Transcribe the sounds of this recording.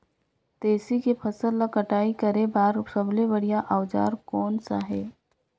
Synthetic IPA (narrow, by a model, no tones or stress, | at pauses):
t̪eːsikepʰəsəlːakəʈaːikəɾebaːɾsəbleʋəɽijaʔaʋd͡ʒa̰ːɾkɔːnsa̰ɦeː